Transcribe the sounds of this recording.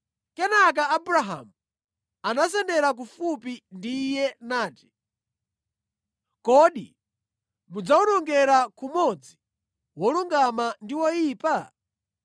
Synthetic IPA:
kɛnak̬aːbuɾaɦa̰mu | anasɛndɛɾak̬ufupindijɛnaːti̥ | kɔɗi | mud͡zaunɔŋɡɛɾakumɔd͡zi | wɔluŋɡamandiwɔjiːpa

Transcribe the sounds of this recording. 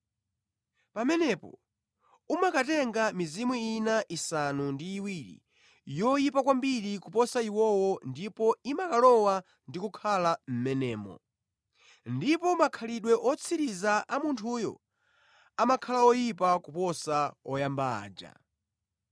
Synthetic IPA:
pamɛnɛpɔ̰ | umakatɛŋɡamizimwuinaʔisanundiːwiɾḭ | jɔjipakwambiɾikupɔsaiwɔwɔndipɔimakalɔwa | ndikukʰalam̩mɛnɛːmɔ̰ | ndipɔmakʰaliɗwɛʔɔt͡sʰiɾizaʔamuntʰuːjɔ̰ | amakʰalaɔjipakupɔsaɔjamba̰ːd͡ʒa̰

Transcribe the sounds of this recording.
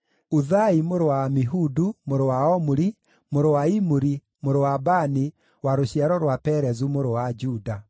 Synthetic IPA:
uðaimoɾowamiɦudumoɾowaɔmuɾi | moɾowaimuɾi | moɾowabani | waɾoɕiaɾɔɾwapɛɾɛzumoɾowad͡ʒuda

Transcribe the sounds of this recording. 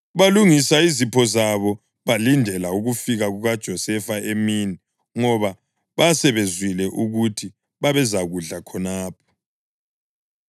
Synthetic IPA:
βaluŋisaizipʰɔzaβɔ | βalindʱɛlauɣufiɣaɣuɣad̥ʒ̥ʱɔsɛfaemiːni | ŋɔβa | βasɛβezwilɛʔuɣutʰi | βaβɛzaɣuɮakʰɔnaːpʰɔ̥

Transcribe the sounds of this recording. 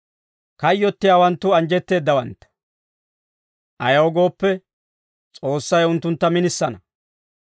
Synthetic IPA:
kɐjːɔt̪ːɪjaːwɐnt̪ːʊɐnd͡ʒɛt̪ːe̞ːd̪ːɐwɐnt̪ːɐ̥ | ʔɐjɐwɔɡo̞ːpːɛ | t͡sʼo̞ːsːɐjʊnt̪ːʊnt̪ːɐmɪnɪsːɐnɐ

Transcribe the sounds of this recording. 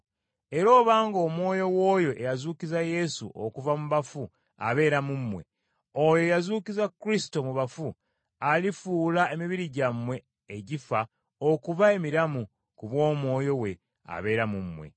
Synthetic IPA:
e̞ɾo̞ːβaːŋɡo̞ːmwo̞ːjo̞wo̞ːjo̞ʔejazuːcizaje̞sṵʔo̰kuvamuβafu | a̰βe̞ːɾamumːwe̞̰ | ojo̞jazuːkizakːɾisi̥to̞muβafu | alifuːlae̞miβiɾiɟamwe̞ː | ɟifa | okuvae̞miɾamu | kuβwo̞ːmwo̞ːjo̞we̞ | a̰βe̞ːɾamumwe̞̰

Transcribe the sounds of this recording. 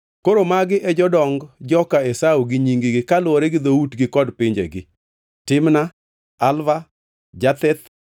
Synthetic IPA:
koɾomaɡɪʔɛd͡ʒɔdɔŋɡd͡ʒɔkaesauɡɪɲiŋɡiɡɪkalwoɾeɡɪd̪outɡɪkɔdpɪɲd͡ʒḛɡɪ̰ | tɪmna | alva | d͡ʒat̪ɛt̪

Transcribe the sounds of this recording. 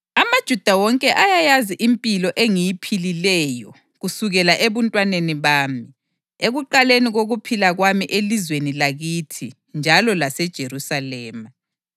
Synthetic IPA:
amad̥ʒ̥ʱud̥ʱawɔŋkʼɛʔajajaziʔimpʼilɔʔeŋijipʰililɛːjɔ | ɣusuɣɛlaʔeβuntʼwaneniβaːmi | eɣuǃaleniɣoɣupʰilaɣwamiʔelizwenilaɣitʰi | nd͡ʒʱalɔlasɛd̥ʒ̥ʱeɾusalɛːma

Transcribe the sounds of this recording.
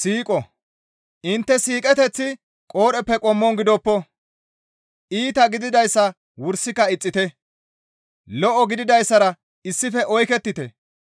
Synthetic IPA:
siːkʼɔ | ʔɪnt̪ːɛsiːkʼɛt̪ɛt͡sːɪ | kʼoːɾɛpːɛkʼɔmːɔnɡɪd̪ɔpːɔ | ʔiːt̪ɐɡɪd̪ɪd̪ɐjsːɐ | wʊɾsːɪkːɐɪt͡sʼːɪt̪ɛ | lɔʔɔɡɪd̪ɪd̪ɐjsːɐɾɐ | ɪsːɪfɛʔɔjkɛt̪ːɪt̪ɛ

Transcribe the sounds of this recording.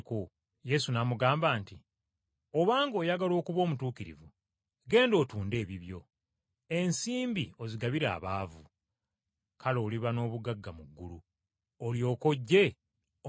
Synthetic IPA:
ko | je̞sunamuɡaːmbaːnti | o̞βaːŋɡo̞ːjaɡalo̞ːkuβo̞ːmutuːkiɾḭvu | ɡe̞ːndo̞ːtuːnde̞ːβiβjo̞̰ | e̞nsiːmbio̞ziɡaβiɾa̰ːβaːvu | kʰalo̞ːliβano̞ːβuɡaɡːamuɡːulu | oljo̞ːko̞ɟːe̞

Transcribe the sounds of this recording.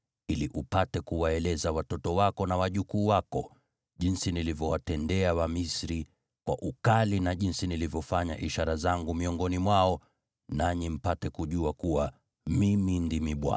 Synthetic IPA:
iliʔupatɛkuwaɛlɛzawatɔtɔwakɔnawaʄukuːwakɔ | ʄinsinilivjɔwatɛndɛawamisɾi | kwa̰ʔukalinaʄinsinilivjɔfaɲa̰ʔiʃaɾazaŋɡumiɔŋɡɔnimwaɔ | naɲim̩patɛkuʄuakuwa | mimindimiɓwa̰

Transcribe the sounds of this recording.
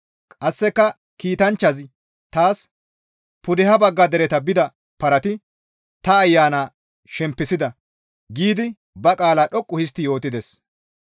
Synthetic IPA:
kʼɐsːɛkːɐ | kiːt̪ɐnt͡ʃːɐz | t̪aːs | pʊd̪ɛhɐbɐɡːɐd̪ɛɾɛt̪ɐbɪd̪ɐ | pɐɾɐt̪ɪ | t̪ɐːjːaːnaː | ʃɛmpːɪsɪd̪ɐ | ɡiːd̪ɪ | bɐkʼaːlaːɗɔkʼːʊhɪs̬t̪ɪjo̞ːt̪ɪd̪ɛs

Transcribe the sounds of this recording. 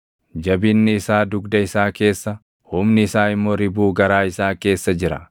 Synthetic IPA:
d͡ʒɐbɪnːɪːsaːd̪ʊɡd̪ɐɪsaːke̞ːsːɐ | hʊmnɪɪsaːɪmːoːɾɪbuːɡɐɾaːɪsaːke̞ːsːɐd͡ʒɪɾɐ̰

